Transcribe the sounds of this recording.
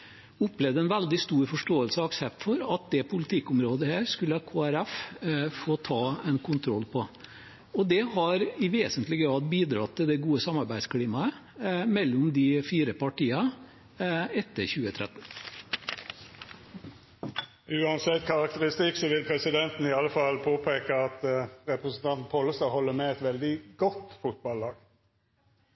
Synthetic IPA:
ʊplɛʋd̪əɛnʋæld̪ɪst̪uːɾfɔʂʈoːəlsəɔɑksɛp̚t̪fɔɾɑt̪̚d̪ɛpʰʊlɪt̪ʰɪkːʊmɾoːd̪əhæːɾskʉlːəɑkʰoːæɾæffoːt̪ʰɑːɛnkʰʊnt̪ʰɾɔlpʰɔ | ɔd̪ɛhɑɾɪʋeːsənt̪lɪɡɾɑːd̪̚biːd̪ɾɑt̪ʰːɪld̪ɛɡuːəsɑmɑɾbæɪ̥skʰɽiːmɑə | mɛlːʊmd̪ɪfiːɾəpɑʈiːɑ | ɛt̪ːəɾçʉːət̪ʰɾɛt̪ːn̩ | ʉːɑnsɛt̪ːkʰɑɾɑkt̪əɾɪst̪ɪksɔʋɪlpʰɾɛsɪd̪ɛnt̪n̩ɪɑləfɑlpʰoːpʰeːkəɑt̪ɾɛpɾəsn̩t̪ʰɑnt̪n̩pʰɔlːəsɑhɔlːəmɛɛt̪ʋɛld̪ɪɡɔt̪fʊt̪̚bɑlːɑːɡ

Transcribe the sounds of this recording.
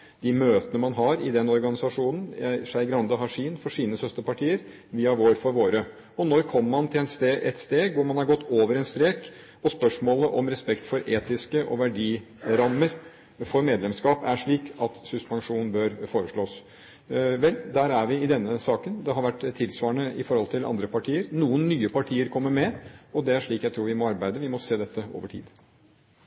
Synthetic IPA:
d̪̥ɪmøːt̪ənəmɑnɦɑɾɪd̪ɛnːɔɾɡɑnɪsɑʂuːnən̩ʂæɪɡɾɑnd̪əɦɑʂiːnfɔʂiːnəsœst̪əpɑʈʰiːəɾ | ʋiːɑʋoːɾfɔɾʋoːɾə | ɔnɔɾkʰɔmːəmɑnt̪ʰɪlɛnst̪eʔɛt̪st̪eːɡʋʊɾmɑnhɑɾɡɔt̪ːoːʋəɾɛnst̪ɾeːk | ɔspœʂmoːləʔɔmɾɛspɛkt̪fɔɾʔeːt̪ɪskəʔɔ̰ʋæɖiː | ɾɑmːəɾ | fɔɾmeːd̪lɛmskɑːpæʂɭiːkɑt̪sʉspɑnʂuːnn̩bœɾfoːɾəʂɭoːs | ʋɛld̪æːɾæɾʋɪɪd̪ɛnːəsɑːkənd̪ɛɦɑɾʋæʈːt̪ʰːɪlsʋɑːɳəɪfɔɾhɔlt̪ʰɪlɑ̰nd̪ɾəpʰɑʈʰiːəɾnuːənːyːəpʰɑʈʰiːəɾkʰɔmːəɾmɛɔd̪ɛæʂɭiːkjæt̪ʰɾuːɾʋɪmɔɑɾbæɪd̪əʋɪmɔseːd̪ɛt̪ːəo̰ːʋəʈʰḭːd̪

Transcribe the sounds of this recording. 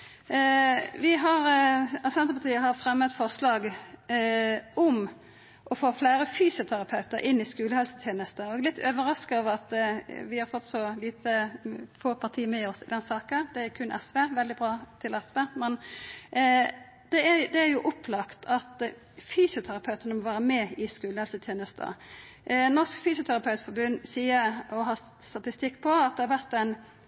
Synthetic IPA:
ʋɪɦɑɾɑsɛnt̪əpʰɑt̪ʰiːəɦɑɾfɾɛmːət̪fɔʁslɑːɡ | ɔm | ʔɔfoːfleːɾəfyːsɪʊt̪ʰæɾɑpʰɑʉt̪əɾʔɪnːɪskʉːləhɛlsət̪ʰjeːnəst̪əɔɛɡlɪt̪ʰːøːʋəɾɑskɑɔʋɑt̪ʋɪhɑɾfɔt̪ːsɔliːt̪əfoːpʰɑʁt̪ʰiːəmɛɔsɪd̪ɛnsɑːkəd̪ɛæɾkʰʉnʔɛsʋeːʋɛld̪ɪbɾɑːt̪ʰɪlɛsʋeːmɛn | d̪ɛæd̪ɛæɾjʊʔɔpʰlɑkt̪ʰɑt̪ | fyːsjʊt̪ʰæɾɑpʰɑʉt̪ənəmɔʋæːɾəmɛɪskʉːləhɛlsət̪ʰjeːnəst̪ʰə̰ | nɔʁʂkfyːsjʊt̪ʰæɾɑpʰɑʉt̪fɔɾbʉnːsiːəɾɔɦɑː | st̪ɑt̪ɪst̪ɪkːpʰɔɑt̪̚d̪ɛhɑɾʋæʁt̪ɛn

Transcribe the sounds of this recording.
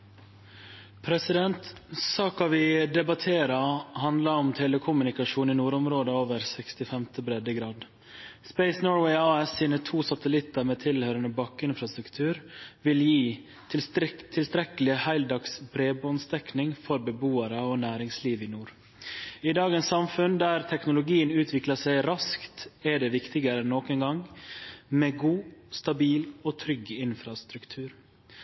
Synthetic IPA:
pʰɾɛsɪd̪ɛnt̪sɑːkɑʋɪd̪ɛbɑt̪ʰeːɾɑhɑnd̪lɑɾɔmt̪ʰɛləkʰʊmʉnɪkɑʂuːninuːɾʊmɾoːd̪əoːʋəɾsɛkst̪ɪfɛmt̪ʰəbɾɛd̪əɡɾɑːd̪ | spɛɪsnoːɹwɛɪɑːɛsiːnət̪ʰuːsɑt̪əlɪt̪əɾmeːt̪ʰɪlhøːɾənəbɑkːɪnfɾɑst̪ɾʉkt̪ʰʉːɾʋɪljiː | ɪt̪ʰɪlst̪ɾɛkəlɪhæɪld̪ɑksbɾeːbɔnst̪ɛknɪŋfɔɾbɛbuːəɾəoːnæːɾɪŋsliːʋɪːnuːɾ | ɪd̪ɑːɡənsːɑmfʉnd̪æːɾt̪ʰɛknʊlʊɡiːənʉːt̪ʰʋɪkləsæɪɾɑskt̪ɛɖɛːʋɪkt̪ɪɡəɾɛnːoːkənɡɑŋ | meːɡuːst̪ɑbiːloːt̪ʰɾʏɡɪnfɾɑst̪ɾʉkt̪ʰʉːɾ

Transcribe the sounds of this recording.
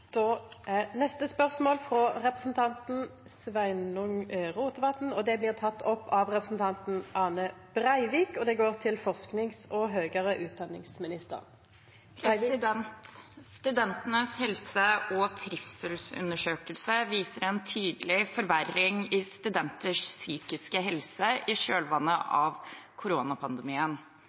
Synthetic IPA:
d̪̥oːʔæʁnɛst̪əspœʁsmoːlfʁɔʁɛpʁəsn̩t̪ʰɑnt̪n̩ | sʋæɪnʊŋʁuːt̪əʋɑt̪n̩ɔd̪ɛblɪːʁt̪ʰɑt̪ːʰɔpːɑʋʁɛpəsn̩t̪ʰɑnt̪n̩ʔɑːnəb̥ʁæɪʋiːkɔd̪ɛɡoːʁt̪ʰɪlfɔʁsknɪŋsɔɦøːɡəʁəʔʉːt̪̚d̪ɑnːɪ̰ŋsmɪnɪst̪ə̰ʁn | pʰɾsɪd̪ɛnt̪st̪ʉd̪ɛnt̪ənəshɛlsəʔɔt̪ʰɾɪfsɛlsʉ̰nəʂøːkəlsəʋiːsəɾɛnt̪ʰyːd̪əlɪfɔɾʋærɪŋɪst̪ʉd̪ɛnt̪əʂsyːkɪskəɦɛlsəʔɪʂøːlʋɑnːəʔɑʋkʰʊɾoːnɑpʰɑnd̪əmiːən

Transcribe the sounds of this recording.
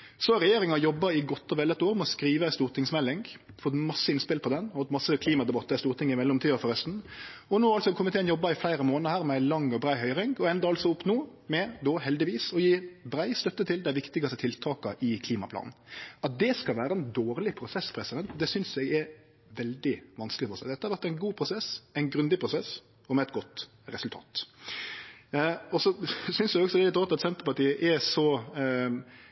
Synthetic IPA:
sɔɾɛjeːɾɪŋɑjɔbːɑɪɡɔt̪ːɔʋɛlət̪oːɾmɛɔskɾiːʋəst̪uːɾt̪ɪŋsmɛlːɪŋɡfɔt̪mɑsːəɪnspɪlpʰɔd̪ɛnhɑt̪mɑsːəkʰliːmɑd̪ɛbɑt̪ːəɛst̪uːɾt̪ɪŋɪmɛlːɔmt̪ʰiːəfɔɾœst̪n̩ɔnuːɑlsɔkʰɔmːɪt̪ɛːnjɔbːɑɪflæɪɾəmoːnəhæːɾmɛæɪlɑŋːɔbɾæɪɦœʏɾɪŋɡɔɛnd̪ɑɑlt̪sɔʊpnoːmɛd̪oːɦɛld̪ɪʋiːsɔjiːbɾæɪst̪œt̪ːət̪ʰɪld̪æɪʋɪkt̪ɪɡɑst̪ət̪ʰɪlt̪ʰɑːkɑʔɪkʰliːmɑ̰pʰlɑ̰n̩ɑt̪̚d̪ɛskɑlʋæːɾəɛnd̪oːɾlɪpʰɾʊsɛspʰɾɛsɪd̪ɛnt̪d̪ɛsʏnsɛɡɛɾ | ʋɛld̪ɪʋɑnsklɪfɔɾɔsɛɪd̪ɛt̪əhɑɾʋæɾʈ̪ːæɪnɡuːpʰɾʊsɛsɛɪnɡɾʉnd̪ɪpʰɾʊsɛs | ɔmɛɛt̪ɡɔt̪ | ɾɛsʉlt̪ʰɑ̰ːt̪ | ɔsɔsʏnsæɪɡɔksɔd̪ɛlɪt̪ɾɔt̪ːɑt̪sɛnt̪əpɑʈiːəʔɛsɔ

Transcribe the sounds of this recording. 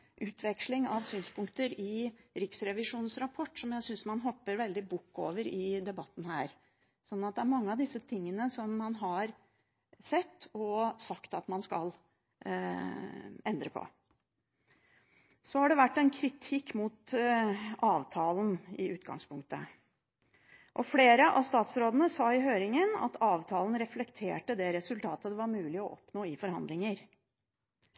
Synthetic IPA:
ʔʉːt̪ʰʋɛkʂlɪŋɑʋsyːnspʰʊŋkt̪əɾɪɾɪksɾɛʋɪʂuːnsɾɑpʰɔʈːsɔmjæɪsʏnsmɑnɦɔpːəɾʋɛld̪ɪbʊkːoːʋəɾɪd̪ɛbɑt̪ːn̩hæːɾ | sɔnːɑt̪̚d̪ɛæɾmɑŋːəɑʋd̪ɪsːət̪ʰɪŋːənəsɔmːɑnɦɑɾ | sɛt̪ːɔsɑkt̪ɑt̪mɑnskɑl | ɛnd̪ɾəpʰɔ̰ | sɔhɑɖɛʋæʈːɛnkʰɾɪt̪ʰɪkːmuːt̪ | ɑːʋt̪ʰɑːln̩ɪʔʉːt̪ɡɑ̰ŋspʰʊŋk̚t̪ə | ʔɔfleːɾəʔɑ̰ʋst̪ɑːt̪sɾoːd̪ənəsɑːɪɦøːɾɪŋənɑ̰t̪ʰɑːʋt̪ʰɑːln̩ɾɛflɛkt̪ʰeːʈəd̪ɛɾɛsʉlt̪ʰɑːt̪əd̪ɛʋɑɾmʉːlɪɔʔɔpnoːɪfɔɾhɑ̰nd̪lɪŋəɾ

